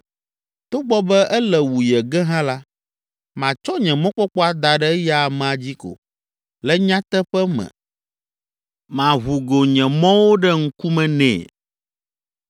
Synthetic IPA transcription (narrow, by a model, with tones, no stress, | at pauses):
t̪o˦ɡ͡bɔ˦bɛ˦ʔɛ˦lɛ˨wu˨jɛ˨ɡɛ˦ɦã˦la˦ | mã˨t͡ʃɔ˦ɲɛ̃˨mɔ̃˦k͡pɔ˦k͡pɔ˦a˦d̪a˨ɖɛ˦ja˦a˨mɛ̃˨a˨d͡ʑi˦ko̰˨ | lɛ˦ɲã˦t̪ɛ˦ɸɛ˦mɛ̰̃˨ | mã˨ɦu˨ɡo˨ɲɛ̃˨mɔ̃˦wo˦ɖɛ˦ŋ̩˦ku˦mɛ̃˨nɛ̰̃˨